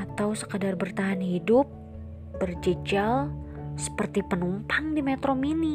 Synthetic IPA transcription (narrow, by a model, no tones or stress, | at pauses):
at̪awsəkədarbərt̪aɦanhidʊp̚ | bərd͡ʒəd͡ʒal | sə̥pərt̪ipənumpaŋdimet̪ɾomini